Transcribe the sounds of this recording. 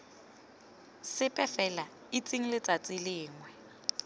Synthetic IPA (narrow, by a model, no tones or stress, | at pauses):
sɪpʼɛfɛla | it͡sʼiŋ̩lɪt͡sʼat͡sʼilɪːŋwɛ